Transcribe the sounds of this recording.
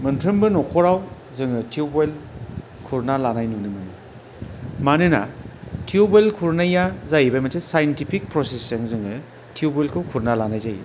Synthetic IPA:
mɐntʰɾɯmbɯnɔkʰɔɾaw | zɯŋɯtʰiubojl | kʰuɾnalanajnunɯmɯnɯ | manɯna̰tʰiubojlkʰuɾnajːazajbajmatesajentipʰik̚pɾɔsesɐŋzɯŋɯ | tʰiubɔjlkʰɯwkʰuɾnalanajzajḭ

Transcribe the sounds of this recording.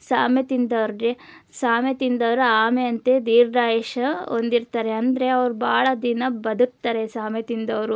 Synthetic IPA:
saːmet̪ind̪ɐʋɐɾɖe | saːmet̪ind̪ɐʋɐɾuaːmeɐnt̪ed̪iːɾdaːjeʃɐo̰nd̪iɾt̪aːɾeɐnd̪ɐɾeɐʋɾubaːɭɐd̪inɐbɐd̪uk̚t̪ːaːɾesaːmet̪ind̪ɐʋɾu

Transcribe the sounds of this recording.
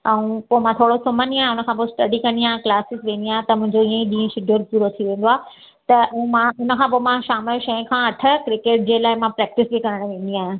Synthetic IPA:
ɛ̃ũpoːmãt̪ʰoːɽosʊməniaːɦẽʊnə̆kʰãp̬osʈɐɖikɐ̃nd̪iaːɦẽklaːsɪsʋẽːn̆d̪iaːɦẽt̪ɐmʊ̃ɦɪ̃ɲd͡ʑoiːə̃ĩɗĩːʃɪɖʱoɾpuːɾot̪ʰiʋẽːn̆d̪oaː | t̪ɐũmãʊnəkʰãːpomãʃaːmɪlʃɐ̃ĩkʰãɐʈʰə̆kɾɪkeːʈ̚d͡ʑeːlaːɪmãpɾɛːk̚ʈɪsbʱikɐɾəɽ̃ʋẽːn̆d̪iaːɦɪ̃

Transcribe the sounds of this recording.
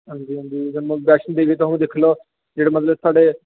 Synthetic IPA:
ɦə̃nd͡ʒiːɦə̃nd͡ʒiːd͡ʒəm̃ːbɛːʃənd̪eːɡəːt̪̬ʊɦnũːd̪ekʰloː | d͡ʒeːɽaːmət̪ləbsaːɖeː

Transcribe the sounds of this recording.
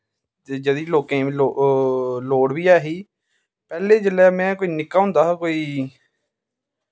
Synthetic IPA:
ed͡ʒəd̪iːloːkẽːlo | loːɽʋiːaːɦiː | pɛːleːd͡ʒəlːɛːmɛ̃ːkoːiːnɪkːaːɦʊ̃nd̪aːkoːiː

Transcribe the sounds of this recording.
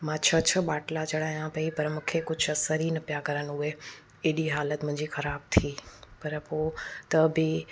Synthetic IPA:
mãːt͡ɕʰɐt͡ɕʰɐɓaːʈlat͡ɕɐɽ̤aːijãpɐipɐɾmʊ̃kʰekʊd͡ʑʱɐsɐɾinɐpijakɐɾənɦʊe | eːɗiɦaːlət̪mʊ̃ɦɪ̃ɲd͡ʑixɐɾaːb̚t̪ʰiːpɐɾpoːt̪ɐbɪ

